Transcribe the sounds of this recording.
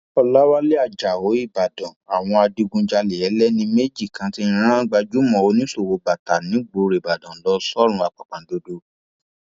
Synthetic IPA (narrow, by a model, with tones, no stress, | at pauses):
ɔ˧la˦wa˦le˦a˦˨d͡ʒa˨o˨˦i˦˨ba˨dɔ̃˨a˨w̃ɔ̃˧a˧di˧ɡũ˧d͡ʒa˧lɛ˨ɛ˨˦lɛ˦nĩ˧me˦d͡ʒi˦˨kã˨˦tĩ˦˧˦ɾ̃ã˦ɡ͡ba˧d͡ʒu˦mɔ̃˨o˧˦nĩ˦so˦˨wo˨˧ba˨ta˨nĩ˨˦ɡ͡bo˨ɾe˨ba˨dɔ̃˨˦lɔ˦sɔ˦ɾ̃ũ˧˦a˨k͡pa˨k͡pã˨do˧do˧˦